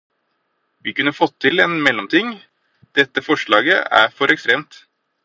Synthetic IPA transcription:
ʋiːkʉnːəfɔt̪ʰːɪleːnmɛlːɔmt̪ʰɪŋ | d̪̥ɛt̪ːəfɔʂɭɑːɡə̰æ̰ːfɔɾʔɛkst̪ɾeːmt̪

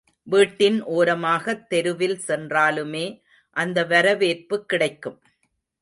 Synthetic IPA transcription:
ʋiːʈːɪnʔoːɾɐmaːɣɐt̪ːɛɾɯʋɪlsɛndraːlɯmeː | ʔɐnd̪ɐʋɐɾɐʋeːrpɯkːɪɽɐɪkːɯm

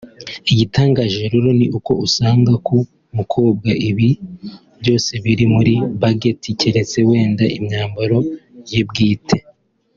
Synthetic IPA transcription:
iɟitaːŋɡaʒeɾuɾoniʔuko̞ʔusaːŋɡaku | mukʰo̞ːb̚ɡaʔiβi | bɟo̞ːse̞βiɾimuɾiβaɡetʰiceɾe̞t͡se̞we̞ːndaʔimɲaːmbaɾo̞jebɡiːtʰe̞

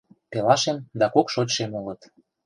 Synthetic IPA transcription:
pelɑʃemd̪ɑkokʃotʲʃemolət̪

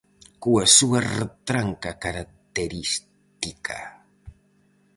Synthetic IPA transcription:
kuasuaret̪ɾaŋkakaɾak̚t̪eɾis | t̪ikʰa̰

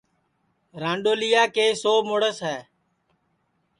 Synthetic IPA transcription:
ɾãːɳɖoːlijaːkeːsoːmoːɽəsɦɛː

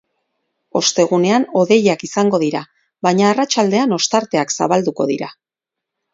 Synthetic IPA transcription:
o̞st̪e̞ɣ̞une̞ano̞ðe̞jakisaŋɡo̞ðiɾa | βajɲaːrat͡ʃald̪e̞ano̞st̪aɾt̪e̞aksa̰βald̪uko̞ðiɾa

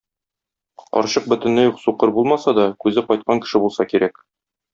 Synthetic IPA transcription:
qɒ̰ɾɕɤq̚bɵ̆t̪ɘ̆nlɘjuqsuqɤɾbulˠmɑsɑd̪ɒkʉzɘqɒjt̪̚qɑŋkɘ̥̆ʃɘbulˠsɑkiɾæk

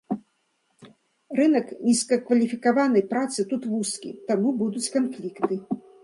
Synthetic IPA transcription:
rɨnɐknʲiskɐkvɐlʲifʲikavanɐjpɾat̪sɨt̪ut̪vuskʲḭt̪amubud̪ut͡sʲkanfʲlʲikt̪ɨ

